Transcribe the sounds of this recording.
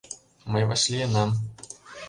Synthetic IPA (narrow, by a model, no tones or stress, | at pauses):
mɨvasʲlʲijɛnam